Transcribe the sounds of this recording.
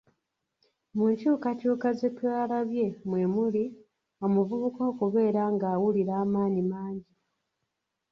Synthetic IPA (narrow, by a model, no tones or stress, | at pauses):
muɲcuːkacuːkaze̞twaːlaβje̞mwe̞ːmuli | omuvuβukokuβe̞ːɾaŋɡaːwuliɾaːmaːnimaːɲɟi